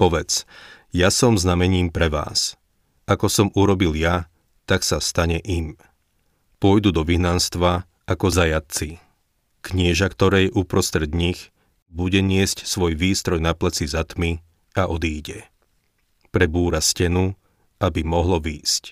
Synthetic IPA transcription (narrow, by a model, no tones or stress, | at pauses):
pɔʋɛt͡s | jasɔmznamɛɲiːmpɾɛʋa̰ːs | akɔsɔmuɾɔbilja | t̪aksast̪aɲɛʔim | pʊɔjd̪ud̪ɔʋiɦnanst̪ʋa | akɔzajat̪̚t͡si | kɲɪɛʒakt̪ɔɾɛːjɛʔupɾɔst̪ɾɛd̪ɲix | buɟɛɲɪɛscsʋɔjʋiːst̪ɾɔjnaplɛt͡sizat̪mi | aʔɔd̪iːɟɛ | pɾɛbuːɾascɛnu | abimɔɦlɔʋiːsc